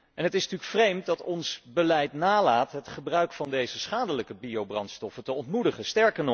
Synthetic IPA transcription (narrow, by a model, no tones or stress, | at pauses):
ʔɛnɦətɪsntyːkfrejmt̚dɑtɔnsbəlɛjtnaːlaːtɦətχəbrœɥkfɑndejzəsχaːdələkəbiowbrɑntstɔfətəɔntmudəχəstɛɹkən